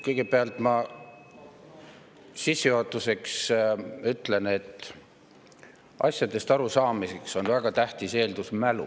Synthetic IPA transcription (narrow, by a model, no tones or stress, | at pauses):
kɤjɡ̥e̞peɑlt̪ˑmɑ | sisːuhot̪ːˑuse̞ksyt̪ːˑle̞ne̞t̪ːˑ | ʔɑ̰sʲjɑd̪̥e̞st̪ɑɾusɑːmise̞kso̞nvæɡ̥ɑt̪æht̪ise̞ːld̪usmælṵ